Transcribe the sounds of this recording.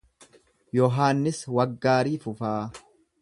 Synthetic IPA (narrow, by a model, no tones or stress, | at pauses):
jɔɦaːnːɪswɐɡːaːɾiːfʊfaː